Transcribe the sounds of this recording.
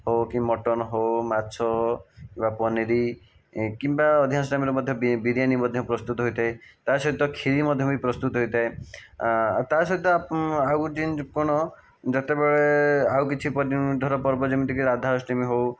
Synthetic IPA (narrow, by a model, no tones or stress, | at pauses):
hokĩmɔʈɔnɔɦowmasʰɔkimbapɔniɾi | kimbaɔd̪ʱijasʈamiɾmɔd̪ʱjɔbibiɾijanibɔd̪ʱjɔpɾɔst̪ut̪ɔɦojt̪ʰaet̪asɔɦit̪ɔkʰiɾimɔd̪ʱjɔipɾɔst̪ut̪ɔɦojt̪ʰae | t̪asɔit̪ɔaawd͡ʒinkɔɽ̃ɔ | d͡ʒɔt̪ebeɭeawkit͡ʃʰipɔnid̪ʱɔɾɔpɔɾbɔd͡ʒemit̪ikiɾad̪ʱaɾɔsʈimiɦow